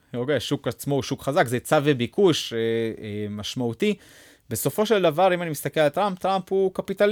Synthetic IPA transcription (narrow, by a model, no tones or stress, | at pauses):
okejʃukat͡smo̞ʃukχazakzet͡savebikuʃeemaʃmaut̪i | be̞so̞fo̞ʃe̞ld̪avaʁimanimist̪akelalt̪ʁamp̚t̪ʁamphukapit̪al